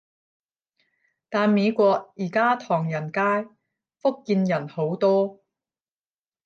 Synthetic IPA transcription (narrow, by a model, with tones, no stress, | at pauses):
t̪aː˨˧nme˨˧jkʷɔː˧k̚jiː˨˩kaː˥t̪ʰɔː˨˩ŋjɐ˨˩nkaː˥j | fʊ˥kːiː˧njɐ˨˩nho˨˥wt̪ɔː˥